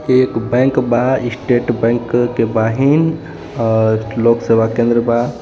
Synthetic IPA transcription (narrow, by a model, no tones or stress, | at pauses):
eːkbɛ̃ːŋkbaisʈeːʈbẽːŋkkebaːɦin | loːkseʋakẽːnd̪ɾəba